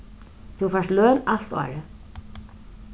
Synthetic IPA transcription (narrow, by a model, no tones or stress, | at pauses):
t̪ʰufaʂt̪lœːnal̥t̪ɔ̰ːɹə